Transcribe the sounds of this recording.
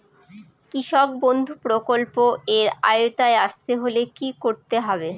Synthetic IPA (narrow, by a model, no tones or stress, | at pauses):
kiʃɔk̚bond̪ʱupɾokolpoeɾa̰jot̪aeaʃt̪eɦolekikoɾt̪eɦɔbe